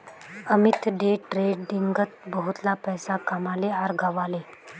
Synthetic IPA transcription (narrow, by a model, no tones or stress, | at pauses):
əmit̪ɖeʈɾeɖɖiŋɡət̪̚bəɦut̪lapəjsakamaleaɾɡʱaʋale